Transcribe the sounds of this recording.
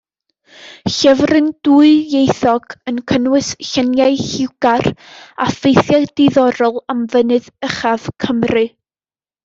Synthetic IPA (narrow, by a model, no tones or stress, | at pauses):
ɬɛvrɨnd̥uɨjejθɔɡ̥ənkʰənwɨsɬɛnjaɨhɪwɡ̥arafejθjadeðɔɾɔlˠamvənɨðəχav̥kʰəmrɨ